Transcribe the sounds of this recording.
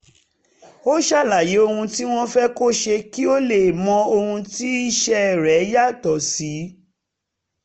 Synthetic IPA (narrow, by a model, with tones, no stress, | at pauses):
o˦ʃa˦˨la˨je˨˦o˧hũ˧ti˦w̃ɔ̃˦fɛ˦ko˦ʃe˧ki˦o˦le˦˨mɔ̃˧o˧hũ˧ti˦i˦ʃɛ˦˨ɾɛ˨˦ja˦˨tɔ˨si˨˦